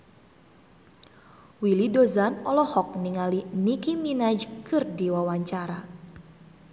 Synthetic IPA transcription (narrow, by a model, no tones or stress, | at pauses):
wilidozanɔlɔhɔk̚niŋalinikiminad͡ʒkɨrdiwawaɲt͡ʃaɾa